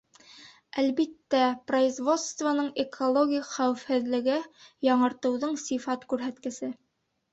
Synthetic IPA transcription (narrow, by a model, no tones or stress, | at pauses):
ælbit̪ːæproizvo̞t̪st̪vɐnɤɴekʰolˠoɡʲijχæwɘfhɘ̆ðlɘ̆ɡɘjɑɴɤ̆ɾt̪ɤ̆wðɤɴsifɑt̪kʉɾɦæt̪kɘ̆sɘ